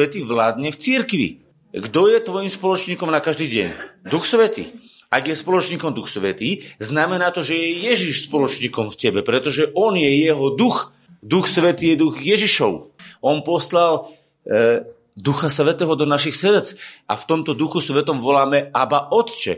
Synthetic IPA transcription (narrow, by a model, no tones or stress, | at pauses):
ɛt̪iːʋlaːd̪ɲɛft͡siɾkʋḭ | ɡd̪ɔjɛt̪ʋɔjimspɔlɔt͡ʃɲiːkɔmnakaʒd̪iːɟɛ̰ɲd̪uxsʋɛt̪ḭː | aɡjɛspɔlɔt͡ʃɲiːkɔmd̪uxsʋɛt̪iːznamɛnaːt̪ɔʒɛjɛjɛʒiʃspɔlɔt͡ʃɲiːkɔmfcɛbɛpɾɛt̪ɔʒɛʔɔnjɛjɛɦɔd̪ux | d̪uxsʋɛt̪iːjɛd̪uxjɛʒiʃɔʊɔnpɔslal | d̪uxasʋɛt̪ɛːɦɔd̪ɔnaʃixsɾɛt͡sa̰ft̪ɔmt̪ɔd̪uxusʋɛt̪ɔmʋɔlaːmɛabaʔɔt̪t͡ʃɛ̰